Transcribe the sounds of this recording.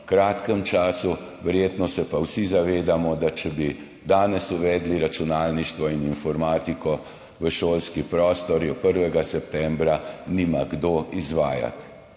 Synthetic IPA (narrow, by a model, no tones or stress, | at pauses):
kɾaːt̪kɛmt͡ʃaːsu | ʋɛɾjeːt̪nɔsɛpawsizaʋeːd̪amɔd̪at͡ʃɛbi | d̪aːnɛsuʋɛːd̪liɾat͡ʃunaːlniʃt̪ʋɔininfɔɾmaːt̪ikɔ | ʋəʃoːlskipɾɔːst̪ɔɾjɔpəɾʋɛɡasɛpt̪ɛmbɾanimaɡd̪oʔizʋaːja̰t̪